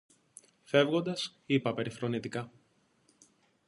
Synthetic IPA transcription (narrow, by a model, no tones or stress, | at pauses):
fe̞vɣo̞nd̪ɐsipɐpe̞ɾixɾo̞nit̪ikɐ